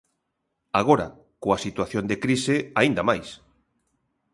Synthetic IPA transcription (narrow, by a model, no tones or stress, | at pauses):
aɣoɾa̰ | koasit̪waθjond̪ekɾiseaind̪amajs